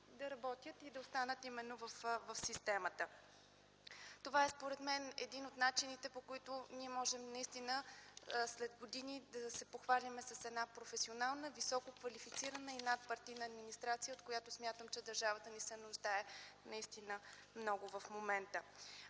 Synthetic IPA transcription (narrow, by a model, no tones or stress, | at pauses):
d̪ɐɾɐbɔt̪ʲjət̪id̪ɐost̪anət̪imɛnːovəfvəfsist̪ɛmət̪ə | t̪ovaɛspoɾɛd̪mɛnɛ̰d̪inot̪nat͡ʃinit̪ɛpokoit̪ʊniɛmɔʒɛmnɐist̪inəslɛd̪ɡod̪inid̪ɐsɛpoxvalʲimɛsɐsɛd̪napɾofɛsionalˠnəvisɔkokvɐlifit̪siɾənəinat̪̚pɐɾt̪ijnəːd̪minist̪ɾat̪sijəot̪kojat̪osmʲjat̪əmt͡ʃɛd̪ɐɾʒavət̪ənisɛnʊʒd̪aɛnɐist̪inəmnɔɡʊvɐfmomɛnt̪ə